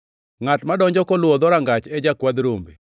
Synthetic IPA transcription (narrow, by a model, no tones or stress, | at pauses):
ŋatmadɔɲd͡ʒɔkɔlwɔd̪ɔɾaŋɡat͡ʃɛd͡ʒakwad̪ɾombḛ